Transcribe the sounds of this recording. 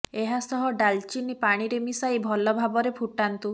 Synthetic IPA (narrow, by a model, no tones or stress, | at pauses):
eɦasɔɦɔɖalt͡ʃinipaɽ̃iɾemisajbʱɔlɔbʱabɔɾepʰuʈant̪u